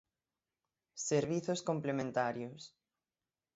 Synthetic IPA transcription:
seɾβiθoskomplemẽnt̪aɾjos

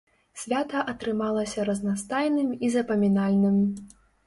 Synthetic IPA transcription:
sʲvʲat̪ɐʔɐt̪ɾɨmalˠɐsʲɐɾɐznast̪ajnɨmizɐpɐmʲinalʲnɨm

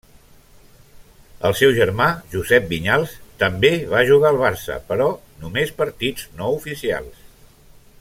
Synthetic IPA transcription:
ə̰lˠsɛwʒəɾmaʒuzɛp̚biɲalˠst̪əmbeβaʒuɣaəlˠβ̞aɾsə̰pəɾɔ | numespəɾt̪idd͡znoufisia̰lˠs

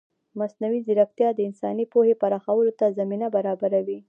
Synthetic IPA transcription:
masnawizɪɾaft̪jɑd̪əɪnsɑnipohepaɾɑxawəlot̪azaminabaɾɑbaɾawi

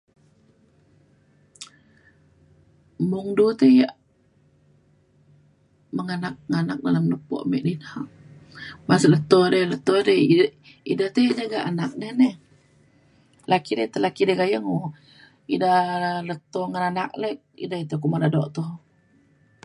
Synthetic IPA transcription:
muŋdut̪əjaʔ | məŋanak̚ŋanak̚dalamnupɔ̰ʔmɛ̰ʔdinaʔ | maslət̪odələt̪ode | idaht̪ejaʔd͡ʒaɡaʔanak̚nehnɛh | lakidət̪əlakidəɡajəŋo | idahlət̪oŋananak̚lɛk̚ḭdait̪ekuʔmadadɔʔt̪ɔh

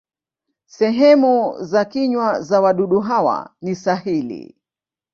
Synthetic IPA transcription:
sɛɦɛmuzakiɲwazawaɗuɗuɦawa̰nisahilḭ

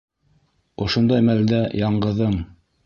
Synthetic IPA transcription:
ŏʃŏnd̪ɑjmæld̪æjɑɴɢɤ̆ðɤɴ

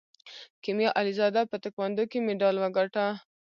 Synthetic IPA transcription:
kimjɑʔalizɑd̪apət̪əkwand̪okemeɖɑlwaɡaʈa

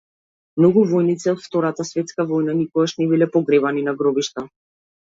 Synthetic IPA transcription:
mnɔɡuvɔjnit̪sɛɔt̪ft̪ɔɾat̪asvɛt̪skavɔjnanikɔɡaʃnɛbilɛpɔɡɾɛbaninaɡɾɔbiʃt̪a

